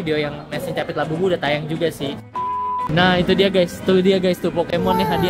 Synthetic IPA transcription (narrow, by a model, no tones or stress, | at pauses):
ideojaŋmasɛŋt͡ʃapɛt̪̚labubudat̪ajaŋd͡ʒuɡasɪh | nahit̪udiaɡajst̪udiaɡajst̪upokemɔnːɪɦadi